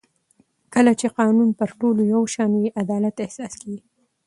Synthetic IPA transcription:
kəlat͡ʃeqɑnunpəɾʈolojawʃɑnjeʔad̪ɑlat̪ɪhsɑskawi

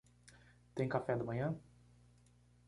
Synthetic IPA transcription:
t̪ẽj̃kafɛd̪ɐmɐ̃ɲɐ̃

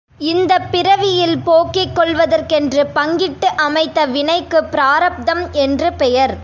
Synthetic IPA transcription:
ɪnd̪ɐpːɪɾɐʋɪjɪlpoːkːɪkːɔɭʋɐðɐrkɛndrɯpɐŋɡɪʈːɯʔɐmɐɪt̪ːɐʋɪɳɐɪkːɯpɪɾaːɾɐp̚d̪ɐmɛndrɯpɛjɐɾ

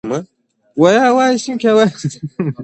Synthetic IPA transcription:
ma | wajawaisikʲawaj

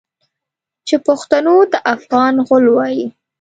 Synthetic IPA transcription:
t͡ʃepoxt̪anod̪əʔafɣɑnɣʊlwɑji

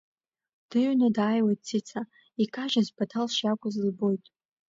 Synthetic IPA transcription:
d̥ɨɥnadaːjwajt̚ʼt͡sʰit͡sʰa | ikʰʼaʒazpʰatʰalʃjakʷʼʊzlɨbo̞jtʼ

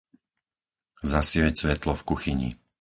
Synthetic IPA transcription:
zasɪʋɛcsʋɛt̪lɔfkuxiɲḭ

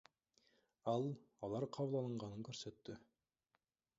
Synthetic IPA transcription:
ɑlˠ | ɑlˠɑɾqʰɑβəlˠɑlˠəɴʁɑnɯŋkɵɾsøt̪ːʏ

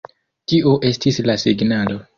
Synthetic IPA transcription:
tiʔuʔe̞stislasiɡnalo̞

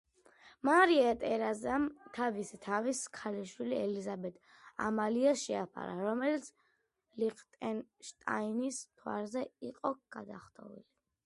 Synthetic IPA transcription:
maɾiat̪ʼɛɾazamt̪ʰavisɛt̪ʰaviskʰaliʃwiliɛlizabɛt̪ʰʼ | a̰maliaʃɛapʰa̰ɾa̰ɾɔmɛlit̪sʰ | liqʰt̪ʼɛnʃt̪ʼainist̪ʰwa̰ɾzɛiqʼɔɡ̥ad̪aχt̪ʼɔ̰vḭli

